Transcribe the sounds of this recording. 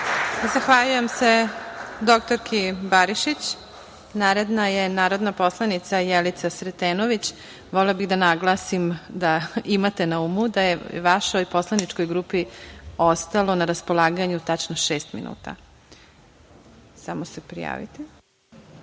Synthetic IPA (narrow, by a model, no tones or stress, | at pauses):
zaxʋaʎuje̞mse̞d̪o̞k̚t̪oɾkʰibaɾiʃit͡ɕ | naːɾed̪najenaːɾo̞d̪napo̞slˠanit̪sajelit̪sasɾet̪eːnoʋit͡ɕ | ʋolelabiɣd̪anaɡlˠaːsimd̪aimat̪enaumud̪ajeʋaʃo̞jpo̞slˠanit͡ʃkojɡɾuːpiost̪alˠo̞naɾaspolˠaːɡaɲut̪at͡ʃnoʃeːst̪mḭnṵːt̪a̰ | samosepɾḭja̰ːʋḭt̪i